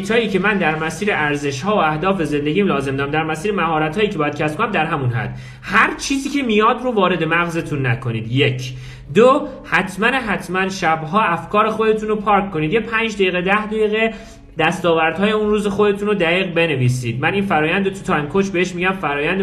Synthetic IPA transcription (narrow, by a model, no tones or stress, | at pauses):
t̪ʰɒːjiːcʰe̞mænd̪æɾmæsiːɾeʔæɾze̞ʃhɒːoæhd̪ɒːfe̞ze̞nd̪e̞ɟʲiːmlɒːze̞md̪ɾæmd̪æɾmæsiːɾemæɦɒːɾæt̪hɒːjiːcʰe̞bɒjæd̪̥̚cʰæstpkʰonæmd̪æɾɦæmunɦæ̰d̪̥ | hæɾt͡ʃʰiːziːcʰe̞mijɒːd̪ɾovɒːɾe̞d̪e̞mæɣze̞t̪ʰunːækʰo̞nḭːd̪jecʰ | d̪o | hæt̪ʰmæneɦæt̪ʰmænʃæbɦɒːæfkʰɒːɾe̞xo̞d̪e̞t̪unɾopʰɒːɾkʰːo̞niːd̪jepʰænd͡ʒd̪æjiːɣed̪æhd̪eiɣe | d̪æst̪ɒːvæɾd̪hɒːje̞unruːzexod̪e̞t̪ʰunɾod̪æɣiːɣbe̞ne̞viːsiːd̪̚mæniːnfæɾɒːjænd̪ot̪ʰut̪ʰɒmkʰot͡ʃbe̞eʃmiːɟæmfæɾɒːjænd̪